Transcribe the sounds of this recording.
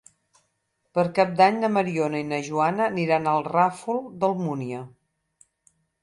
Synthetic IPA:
pəɾkap̚d̪aɲnəməɾionəinəʒuanəːniɾanəlˠrafulˠd̪əlˠmuniə

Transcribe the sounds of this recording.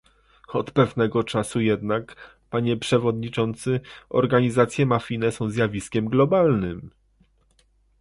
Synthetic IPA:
ɔt̪pɛvnɛɡɔt͡ʂasujɛd̪nak | paɲɛpʂɛvɔd̪ɲit͡ʂɔnt̪sɘɔ̰ɾɡaɲizat̪sʲjɛmafʲinɛsɔ̃w̃zjavʲiskʲɛmɡlɔbalnɘm

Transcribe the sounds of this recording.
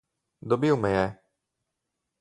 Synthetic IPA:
d̪ɔbiumɛjɛ

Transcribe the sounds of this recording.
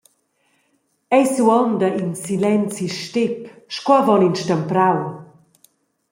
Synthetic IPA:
ɛjsuɔnd̪aʔinsilɛnt͡siʃtepʃkwɔvɔninʃtəmpɾaw

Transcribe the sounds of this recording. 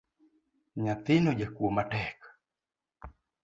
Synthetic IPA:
ɲat̪ɪnod͡ʒakuomatɛk

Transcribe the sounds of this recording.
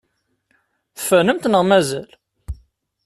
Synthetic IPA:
θəfænəmt̪nəʁmæzæl

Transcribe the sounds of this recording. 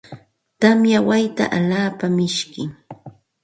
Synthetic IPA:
t̪amjawajt̪a̰ʔaʎaːpamɪʃkɪ

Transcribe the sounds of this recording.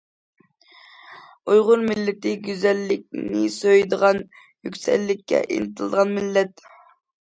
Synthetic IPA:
ujʁʊɾmɪlːɪt̪ɪɡʲyzɛlːɪk̚ʲnɪsøjd̪əʁɑn | jykʲsɛ̰lːɪkʲʰːɛ̰ʔḭnɨt̪ʰɨlˠd̪əʁɑnmɪlːɛt̪

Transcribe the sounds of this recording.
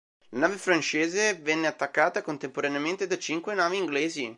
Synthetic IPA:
lanaːvefɾant͡ʃeːzevɛnːeat̪ːakːaːt̪akont̪empoɾaneament̪ed̪at͡ʃiŋkwenaːviːŋɡleːzi

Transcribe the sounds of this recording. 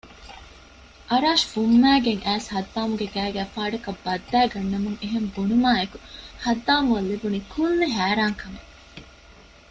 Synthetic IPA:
ʔɐɾaːʃfumːæːɡeŋʔæːshɐd̪ːaːmuɡeɡæːɡæːfaːɖɐkɐbːɐd̪ːæːɡɐnːɐmuŋeɦembonumaːekuhɐd̪ːaːmuɐlːibunikʰulneɦæːɾaːŋkɐme

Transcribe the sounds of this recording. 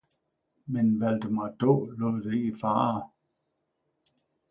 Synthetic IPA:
menʋæld̥əmɑd̥ɔ̰ːlɔðˠd̥eɡifɑ̰ː

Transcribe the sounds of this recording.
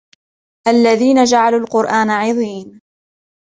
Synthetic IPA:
ʔalːaðiːnad͡ʒaʕaluːlqʊɾʔaːnaʕɑðˤiːn

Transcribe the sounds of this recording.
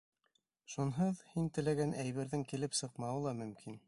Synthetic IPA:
ʃunɦɤðhint̪ɘ̆læɡænʔæjβɘ̆ɾðɘŋkilɘpsɤ̆qmɑwɤlˠɑmɵ̆mkʰin

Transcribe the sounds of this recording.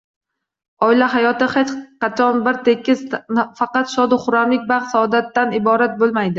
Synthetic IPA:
ɒɪlaɦajɒt̪ɪχet͡ʃqʰɑt͡ʃʰɒnbɪɾt̪ʰekʲːɪzfɑqɑt̪ʃɒd̪ɪχʊɾamlɪk̚ʲbaqsaɒd̪at̪ːanɪbɒɾat̪̚bolˠmajd̪ɪ

